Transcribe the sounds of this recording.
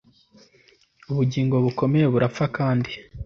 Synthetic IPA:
uβuɟiːŋɡo̞βuko̞me̞je̞βuɾap͡fakaːndi

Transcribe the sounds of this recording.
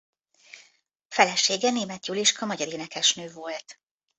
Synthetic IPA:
fɛlɛʃeːɡɛneːmɛt̪juliʃkɒmɒɟɒɾeːnɛkɛʃnøːvo̞lt̪

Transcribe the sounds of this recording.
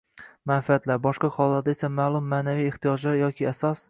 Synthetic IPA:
manfiat̪laɾbɒʃqɑqʰɒlˠːaɾd̪aesamaːlˠʊmːaːnavijɪχt̪ijɒd͡ʒlaɾjɒkʲʰɪasɒs

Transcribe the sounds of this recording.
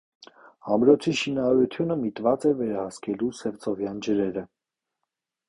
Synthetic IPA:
ɑmɾɔt͡sʰiʃinɑɑɾut̪ʰjunəmit̪vɑt͡sɛvɛɾɑhɑskʰɛlusɛvt͡sʰɔvjɑnd͡ʒəɾɛɾə

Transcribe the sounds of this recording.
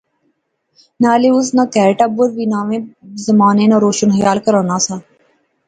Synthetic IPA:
naːleʊsnakɛːɾʈabʊɾʋiːnaːʋẽːzəmaːneːnaɾoːʃənxəjaːlkəɾaːnaːsaː

